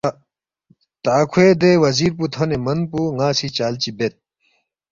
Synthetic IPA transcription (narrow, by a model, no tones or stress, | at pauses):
t̪aːkʰued̪ewɐziːɾput̪ʰonemɐnpuːŋaːsit͡ɕaːlt͡ɕibet̪̚